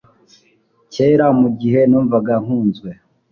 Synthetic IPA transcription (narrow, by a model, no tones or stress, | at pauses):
ce̞ːɾamuɟiɦe̞nuːɱvaɡaŋ̥huːnzɡwe